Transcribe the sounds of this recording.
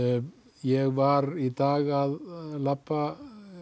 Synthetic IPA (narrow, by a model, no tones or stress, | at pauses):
jɛɣʋaɾid̪aːɣaðlapa